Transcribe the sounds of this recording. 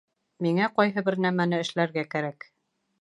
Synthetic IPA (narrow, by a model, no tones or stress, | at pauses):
miŋæqɒjɦɤbɘ̆ɾnæmænɘɘ̆ʃlæɾɡækæɾæk